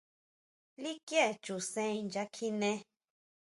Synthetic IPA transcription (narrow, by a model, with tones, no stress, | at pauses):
li˦kje˦˨t͡ʃu˨sẽ˧˦ĩ˧nd͡ʒa˧kʰi˧nẽ˦